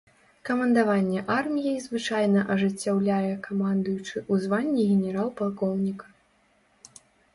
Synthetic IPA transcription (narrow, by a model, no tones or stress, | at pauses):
kɐmɐnd̪avanʲːɛʔarmʲijɛjzvɨt͡ʂajnɐʔɐʐɨt͡sʲːawlʲajɛkamand̪ɐjut͡ʂɨʔuzvanʲːiɣʲɛnʲɛɾalˠpalˠkɔwnʲikɐ̥